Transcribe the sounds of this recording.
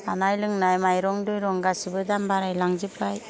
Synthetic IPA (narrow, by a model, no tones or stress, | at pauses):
anajlɯŋnajmajɾɔŋdujɾɔŋɡasibɯdambaɾajlaŋzɯpʰɾaj